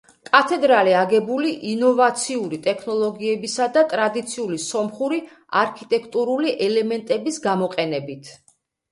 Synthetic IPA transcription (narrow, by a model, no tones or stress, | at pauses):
kʼat̪ʰɛd̪ɾaliaɡɛbuliʔinɔvat̪sʰiuɾit̪ʼɛkʰnɔlˠɔɡiɛbisad̪at̪ʼɾad̪it̪sʰiulisɔmχuɾi | a̰ɾkʰit̪ʼɛkʰt̪ʼuɾuliʔɛlɛmɛnt̪ʼɛbisɡamɔqʼɛnɛbit̪ʰ